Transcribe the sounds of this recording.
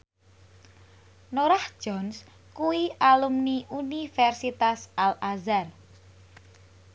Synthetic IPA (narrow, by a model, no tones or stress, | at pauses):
noɾahd̥ʒ̥ɔns | kuwiʔalumniunifɛrsit̪asalazar